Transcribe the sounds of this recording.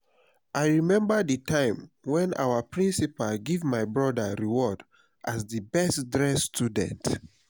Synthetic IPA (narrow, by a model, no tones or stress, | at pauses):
ʔaɪɹimɛ̃mbəditãɪ̃m | wɛ̃na̰wəpɹĩnsipalɡevmaɪbɹɔdəɹiwɔd | ʔazdibɛstdɹɛstʰudɛ̰̃nt